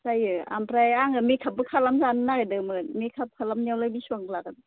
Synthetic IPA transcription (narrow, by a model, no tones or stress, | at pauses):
sajɯa̰mpɾajaŋɯmekʰap̚ːɯkʰalamzanɯnaadɯmɯnmekʰap̚kʰalamniawlajbisuaŋɡlaɡan